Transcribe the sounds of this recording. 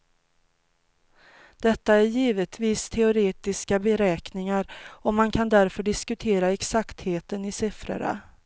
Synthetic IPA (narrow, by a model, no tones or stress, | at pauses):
d̪̥ɛt̪ːaæɾjiːvət̪ʰviːst̪ʰɛʊɾeːt̪ɪskabɛɾɛːknɪŋaɾɔmankʰand̪æɾfœɖɪskɵt̪ʰeːɾaɛksakt̪heːt̪ənɪsɪfɾə̰ɳa̰